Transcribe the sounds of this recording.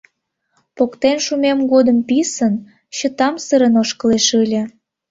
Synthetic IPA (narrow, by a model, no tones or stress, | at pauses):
pokt̪enʃumemɡod̪əmpisən | ɕə̆t̪ɑmsəɾənoʃkəleʃɯlʲə̆